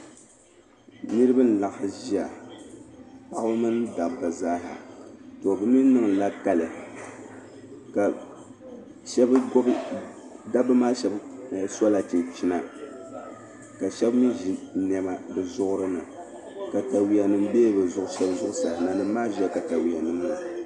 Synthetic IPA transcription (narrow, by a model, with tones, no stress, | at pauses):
nɨ˦ɾɨ˦bɨ˦n̩˨la˨ʔʒi˦a˨ | pa˦ʔbɨ˦mɨ˦nda˨bɨ˨zaː˦ɦa̰˨tɔ˨bɨ˦mi˦nɨ˦ŋ˨la˦ka˦lɨ˨ | ka˨ | ʃɛ˦bɡɔ˦b | da˦bɨ˦maː˦ʃɛ˦bsɔ˦la˨t͡ʃi˨nt͡ʃi˦na˨ | ka˨ʃɛ˦bmi˦ʒi˨nɛ˨ma˨bɨ˨zʊ˦ʔʊ˦ɾɨ˦nɨ˨ | ka˨ta˨wi˨a˨nɨ˦m˦beː˦bɨ˨zʊ˨ʔʊ˦ʃɛ˦bzʊ˦ʔʊ˦sa˨na˨nɨ˨˦maː˦ʒɛ˦ka˨ta˨wi˨a˨nɨ˦mna˨